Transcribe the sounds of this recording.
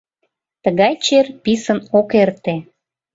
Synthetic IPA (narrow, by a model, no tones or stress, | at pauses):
t̪əɣɑjt͡ɕerpisənokert̪e